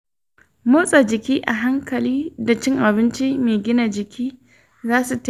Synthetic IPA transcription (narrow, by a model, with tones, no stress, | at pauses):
mo˦sʼa˨d͡ʒɪ˨kʲiː˦ʔa˨ɦa˦ŋkʰɐ˨liː˦da˨t͡ʃɪ˦ŋʔa˨bɪ˦nt͡ʃi˦meː˨ɡʲɪ˦na˨d͡ʒɪ˨kʲʰiː˦ | zaː˦su˨t